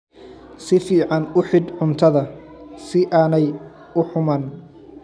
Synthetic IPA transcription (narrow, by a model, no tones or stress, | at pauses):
sɪfiːʕɑnʊħɪd̪ʕʊnt̪ʰɐðɐ | sɪʔaːnɛj | ʊħʊmaːn